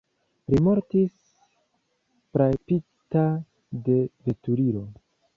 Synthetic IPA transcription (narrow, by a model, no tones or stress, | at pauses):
ɾimo̞ɾtis | pɾapi | ta | de̞ve̞tuɾiɾo̞